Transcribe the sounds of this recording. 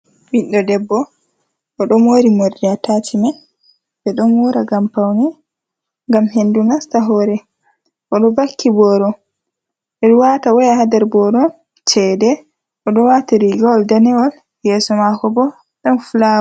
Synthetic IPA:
winɗɔdɛbːɔ | ʔɔɗɔmoɾimoɾdiatatʰima | bɛɗɔmuːɾaɡampawnɛ | ŋɡamɦendunastaɦɔɾɛ | ʔɔɗɔbakʰːibɔɾɔ | ɓɛɗuwatawɔjahadɛɾbɔɾɔn | t͡ʃɛdɛ | ʔɔɗɔwataɾiɡɔɔldanɛwɔl | jɛːsɔmakɔbɔ | ɗɔmfula

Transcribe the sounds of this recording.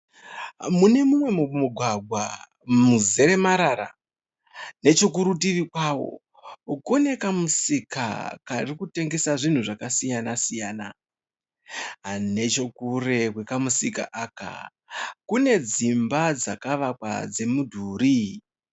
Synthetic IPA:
mune̞mumwe̞mumuɡʱwaɡʱwa̰ | muze̞ɾe̞maɾaɾa̰ | ne̞t͡ʃok̬uɾutiʋikwawo̞̰ | ukone̞kamusika̰karikute̞ŋɡe̞saʐin̤uʐakasijanasijaːna̰ | ɦne̞t͡ʃo̞kure̞kwe̞kamusika̰ʔaːka̰ | kune̞d͡zimbad͡zakaʋakwa̰d͡ze̞mudʱuːɾi

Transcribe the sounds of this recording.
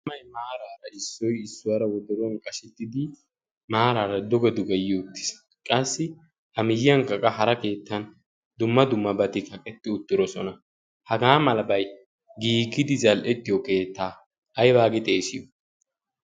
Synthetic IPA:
mːɐjmaːɾaːɾɐɪsːɔjɪsːʊwaɾɐwɔd̪ʊɾɔnkʼɐʃɛt̪ːɪd̪ɪ | maːɾaːɾɐd̪ɔɡɛd̪ʊɡɐjːɪɔt̪ːɪ̥s | kʼɐsːɪ | hɐmɪjːɐŋkɐkʼɐɦɐɾɐke̞ːt̪ːɐn | d̪ʊmːɐd̪ʊmːɐbɐt̪ɪkɐkʼɛt̪ːɪʊt̪ːɪɾɔsɔnɐ | hɐɡaːmɐlɐbɐj | ɡiːɡɪd̪ɪzɐlʔɛt̪ːɪjɔke̞ːt̪ːaː | ʔɐjbaːɡɪt̪ʼe̞ːsɪjɔ

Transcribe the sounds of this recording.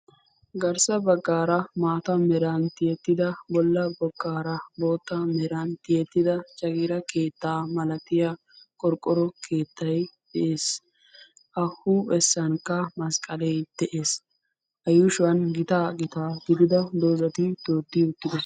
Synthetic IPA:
ɡɐɾsɐbɐɡːaːɾɐmaːt̪ɐmɛɾɐnt̪ɪjɛt̪ːɪd̪ɐbɔlːɐbɔɡːaːɾɐbo̞ːt̪ːɐmɛɾɐnt̪ɪjɛt̪ːɪd̪ɐt͡ʃʼɐɡiːɾɐke̞ːt̪ːaːmɐlɐt̪ɪja | kʼɔɾkʼːɔɾɔkʰe̞ːt̪ːɐjd̪̥ɛʔeːs | ʔɐhuɛsːɐnkːɐmɐskʼɐlɛjd̪̥ɛʔe̞ːs | ʔɐjʊʃwɐnɡɪt̪aːɡɪt̪aːɡɪd̪ɪd̪ɐd̪oːzɐt̪ɪt̪oːd̪ːɪʊt̪ːɪd̪ɛ

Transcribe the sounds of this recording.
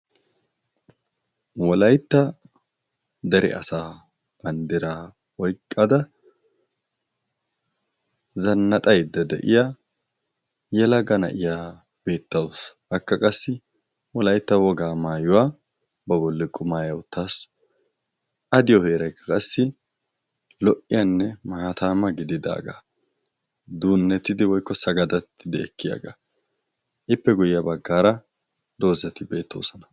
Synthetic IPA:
wɔlɐjt̪ːɐ | d̪ɐɾɛ̰ʔɐ̰saː | b̥ɐnd̪ɪɾaː | wɔjkʼːɐd̪ɐ | zɐnːɐt̪ʼɐjd̪ːɐd̪ɛ̰ʔɪ̰ja | jɛlɐɡɐnɐ̰ʔɪjaː | b̥e̞ːt̪ːɐwɔsʔɐkːɐkʼɐsːɪ | wɔlɐjt̪ːɐwɔɡaːmaːjʊwaː | bɐbɔlːɪkʼʊmaːjɐwʊt̪ːas | ʔɐd̪ɪjɔhe̞ːɾɐjkːɐ̥kʼɐsːɪ | lɔʔɪjanːɛmɐt̪ʰaːmɐɡɪd̪ɪd̪a̰ːɡa̰ | d̪uːnːɛt̪ːɪd̪ɪwɔjkːɔsɐɡɐd̪ɐt̪ʰːɪd̪ɪɛkːɪjɐ̰ɡa̰ | ʔɪpːɛɡʊjɪjɐbɐɡːaːɾɐ | d̪o̞ːzɐt̪ɪbe̞ːt̪ːɐwsɔnɐ̥

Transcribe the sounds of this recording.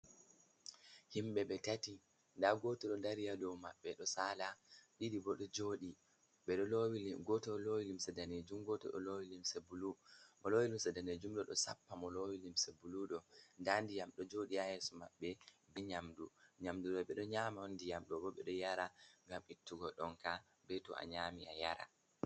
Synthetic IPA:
himɓɛɓɛtati | ndaɡɔtɔɗɔdaɾijadɔwmaɓːɛɗɔsalaɗiɾibɔɗɔd͡ʒoːɗi | ɓɛɗɔlowilɡɔtɔlowilimsɛdaned͡ʒumɡɔtɔ̰ɗɔ̰lowilimsebulumɔlowilimsɛdaned͡ʒumɗɔɗɔsapːamɔlowilimsebuluɗɔndandijamɗɔd͡ʒoɗiahɛsɔmaɓːɛbɛɲamduɲamduɗɔɓɛɗɔɲamawondijamɗɔbɔɓɛɗɔjaɾaŋɡamitːuɡɔɗɔŋka | bɛtɔ̰a̰ɲaːmiaja̰ɾa̰

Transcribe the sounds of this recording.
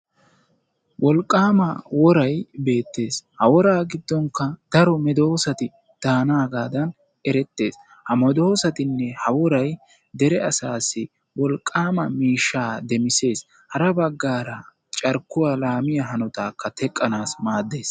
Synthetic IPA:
wʔɔlkʼːaːmɐwɔɾɐjbe̞ːt̪ːe̞ːshɐwɔɾaːɡɪd̪ːɔŋkːɐd̪̥ɐɾɔmɛd̪o̞ːsɐt̪ɪ | d̪̥aːnaːɡaːd̪ɐn | ɛɾɛt̪ːe̞̰ːs | hɐmɔd̪o̞ːsɐt̪ɪnːɛhɐwɔɾɐj | d̪ɛɾɛɐsaːsːɪ | wɔlkʼːaːmɐmiːʃːaːd̪ɛmɪse̞ːs | hɐɾɐbɐɡːaːɾɐ | t͡ʃʼɐɾkːʊwaːlaːmɪjɐɦɐnɔt̪aːkːɐt̪ʰɛkʼːɐnaːsmaːd̪ːe̞ːs

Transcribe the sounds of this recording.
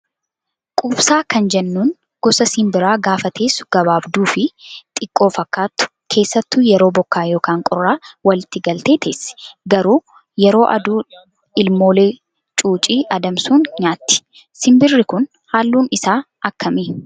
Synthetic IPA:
kʼuːbsaːkɐnd͡ʒɛnːuːn | ɡ̥ɔsɐsɪmbɪɾaːɡaːfɐt̪ʰeːsʊ̥ɡ̥ɐβaːbd̪uːfɪt̪ʼɪkʼːo̞ːfɐkːaːt̪ːʊ̥ | kʰe̞ːsːɐt̪ːʊjɛɾo̞ːbɔkːaːjo̞ːkaːŋkʼʊrːaːwɐlɪt̪ːɪɡɐlt̪e̞ːt̪ʰeːsɪ̥ɡɐɾuː | jɛɾo̞ːʔɐ̰d̪uː | ɪlmo̞ːle̞ː | t͡ʃʼuːt͡ʃʼiːʔɐd̪ɐmsuːnɲaːt̪ːɪ̥ | sɪmbɪrːɪkʊn | haːlːuːnɪsaː | ɐkːɐmiː

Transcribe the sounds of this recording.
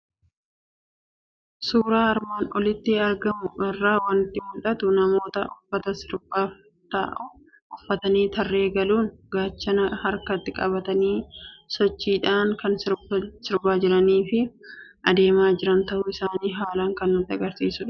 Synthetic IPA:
suːɾaːɐɾmaːnɔlɪt̪ːɪɐɾɡɐmʊɛrːaːwɐnt̪ɪmʊlᶑɐt̪ʊnɐmo̞ːt̪ɐʊfːɐt̪ɐsɪɾbaːf | t̪ɐ̰ʔʊ | ʔʊfːɐt̪ɐniːt̪ɐrːe̞ːɡɐluːnɡaːt͡ʃːɐnɐhɐɾkɐt̪ːɪkʼɐ̰bɐt̪ɐniːsɔt͡ʃːiːᶑaːŋkɐnsɪɾsɪɾbaːd͡ʒɪɾɐniːfɪʔɐd̪e̞ːmaːd͡ʒɪɾɐnt̪ɐʔʊɪsaːniːɦaːlɐŋkɐnːʊt̪ːɪɐɡɐɾsiːsʊᶑ

